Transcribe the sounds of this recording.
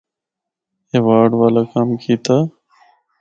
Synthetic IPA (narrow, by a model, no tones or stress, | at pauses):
eːʋaːɖʋaːlaːkaːmkʰiːt̪aː